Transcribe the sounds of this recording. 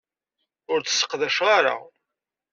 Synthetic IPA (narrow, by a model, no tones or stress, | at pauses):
ʊɾt͡sə̥sːə̥qðæʃʁaɾa̰